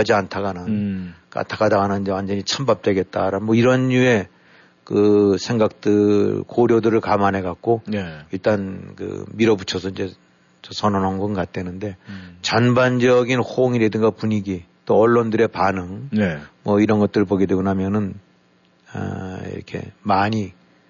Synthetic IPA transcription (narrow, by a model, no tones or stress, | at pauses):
ad͡ʑiantʰaɡanɯnka̰ntʰaɡadaɡanɯniɲd͡ʑewand͡ʑʌɲit͡ɕʰambap̚t͈we̞ɡe̞t̚t͈aɾanmʌiɾʌnɲue̞ | kɯsʰe̞ŋɡak̚t͈ɯɭkoɾjodɯɾɯɭkamanɦe̞ɡak̚k͈oiɭt͈ankɯ̰miɾʌbut͡ɕʰʌsʰʌind͡ʑe̞ | t͡ɕʌsʰʌnʌnɦannɡʌnkat̚t͈enɯnde̞t͡ɕʌnband͡ʑʌɡinhoŋiɾedɯŋɡapuɲiɡit͈oʌɭːondɯɾe̞panɯŋnmʌiɾʌnɡʌt̚t͈ɯɾɯɭpoɡe̞dweɡonamjʌnɯn | ʌ̰ḭɾʌ̰kʰe̞̰maɲi